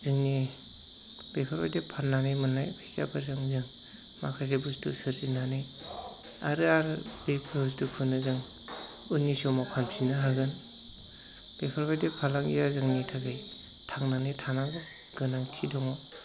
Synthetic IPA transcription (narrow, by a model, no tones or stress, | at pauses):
zɯŋni | b̥epʰaɾbajdepʰanːanemɯnːajbeza̰bɯzɯŋzɯŋ | makʰas̬ebustusɯɾzinanij | aɾɯaɾɯbepʰɾbs̬tukʰɯnɯzɯŋ | unːisɔmapʰanpʰinɯɦaɡɯn | b̥epʰaɾbajdepʰalaŋijazɯŋnitʰaɡɯj | tʰaŋnanetʰanaŋɡɔ | ɡ̥ɯnaŋtʰidɔŋɔ